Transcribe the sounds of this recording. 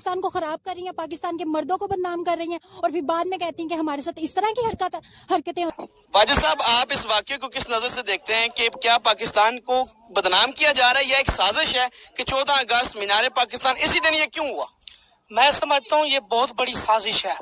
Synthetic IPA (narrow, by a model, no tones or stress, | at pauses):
st̪aːnkoxɐɾaːb̚kɐɾːəɦĩɦɛ̃ːpaːk̬ɪst̪aːnkemɐɾd̪õkobəd̪naːmkɐɾːəɦĩɦɛ̃ːɔːɾpʰɪɾbaːd̪mẽkɛɦt̪iɦɛ̃keɦɐmaːɾes̬aːt̪ɪst̪əɾãkiɦɐɾkət̪ | hɐɾkət̪ɦɛ̃ | ʋaːd͡ʒasaːbaːpɪsʋaːkekokɪsnəzəɾsed̪eːkʰt̪eɦɛ̃kekjaːpaːkɪst̪aːnko | bəd̪naːmkijad͡ʒaːɾaɛjaeːksaːzɪʃɦɛːket͡ʃɔːd̪ãəɡəst̪mɪnaːɾepaːkɪst̪aːnɪsid̪ɪnjekjũːɦʊa̰ː | mɛ̃ːsəməd͡ʒʱt̪aːɦũjeːbɔːt̪̚bəɽisaːzɪʃɦɛː